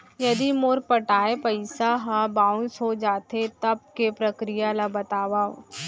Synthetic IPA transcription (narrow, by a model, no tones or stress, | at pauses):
jɐd̪imoɾpɐʈaːepɐɪsaɦabãːʊ̃nsɦod͡ʒaːt̪et̪ɐb̚kepɾɐkɾijalabɐt̪aːʋao̰